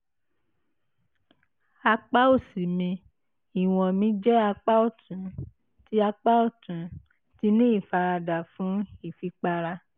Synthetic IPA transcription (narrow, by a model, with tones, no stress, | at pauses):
a˧k͡pa˦o˦˨si˨mĩ˧ | i˨w̃ɔ̃˨mĩ˧˦d͡ʒɛ˦a˧k͡pa˦o˦˨tũ˨˦ | ti˧˦a˧k͡pa˦ɔ˦˨tũ˨˦ | ti˧˦nĩ˦i˦˨fa˧ɾa˧da˨fũ˨˦i˦˨fi˧k͡pa˧ɾa˧